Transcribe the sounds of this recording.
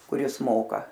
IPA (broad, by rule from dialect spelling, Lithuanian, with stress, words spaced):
kʊˈrʲɪs ˈmoːkɐ